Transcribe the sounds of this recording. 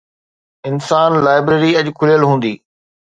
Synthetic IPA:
ɪnsaːnlaːɪbɾeːɾiɐʄkʰʊlijəlɦũːn̆d̪iː

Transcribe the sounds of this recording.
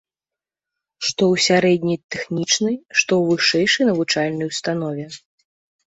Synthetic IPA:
ʂt̪ɔwsʲaɾɛd̪ʲnʲɐjt̪ɛxnʲit͡ʂnɨjʂt̪ɔwvɨʂɛjʂɐjnɐvut͡ʂalʲnɐjust̪an̪ɔvʲɛ

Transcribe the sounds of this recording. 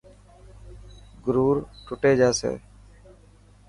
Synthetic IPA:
ɡɾuːɾʈʰʊʈeːd͡ʒaːsḛː

